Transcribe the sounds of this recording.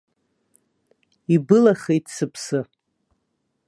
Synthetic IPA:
ibɨlaχejtʰsɨpʰsɨ

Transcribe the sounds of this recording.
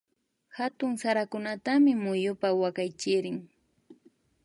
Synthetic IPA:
hat̪ʊŋsaɾakʊnat̪amɪmʊjʊpawakajt͡ʃɪɾɪŋ

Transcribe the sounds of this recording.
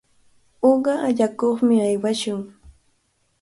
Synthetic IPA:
oɢɑaʎakoχmɪajwaʃʊŋ

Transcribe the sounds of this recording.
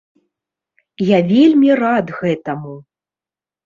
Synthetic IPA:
javʲelʲmʲirad̪ɣɛt̪ɐmu

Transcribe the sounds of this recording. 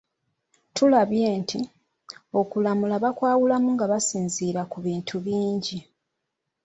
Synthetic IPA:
tulaβje̞ːntʰi | o̞kulamulaβakwaːwulamuŋɡaβasiːnziːɾakuβiːntʰuβiːɲɟi

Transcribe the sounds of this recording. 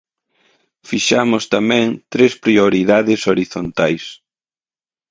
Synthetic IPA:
fiʃamʊst̪amɛ̃ŋt̪ɾespɾioɾiðaðɪsoɾiθont̪ajs

